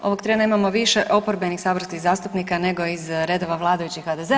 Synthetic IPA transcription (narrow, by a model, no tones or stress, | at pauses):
o̞̰ʋo̞ɡt̪ɾeːnaimamo̞ʋiʃeʔo̞poɾbenixsaːbɾ̩st̪izaːst̪upnikane̞ɡo̞izɾe̞d̪o̞ʋaʋlˠaːd̪ajut͡ɕixhad̪eze